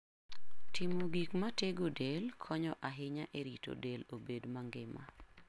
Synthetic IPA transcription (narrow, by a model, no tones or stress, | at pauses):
tʰɪmoɡikmateɡodelkʰɔɲɔʔaɦɪɲaʔeɾito̰delobedmaŋɡɪma̰